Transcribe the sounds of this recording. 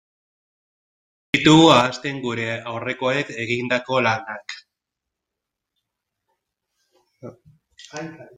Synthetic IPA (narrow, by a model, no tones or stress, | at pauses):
it̪uaːst̪e̞ŋɡuɾe̞awre̞ko̞eke̞ɣind̪ako̞lanak